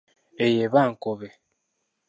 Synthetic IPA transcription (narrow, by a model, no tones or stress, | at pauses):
ejeβaŋ̩koβe